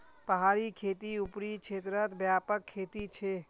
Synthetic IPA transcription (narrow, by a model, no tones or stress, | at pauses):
pəɦaːɾikʰeːt̪iupɾikt͡ʃʰeːt̪ɾət̪bjaːpəkʰːeːt̪it͡ʃʰe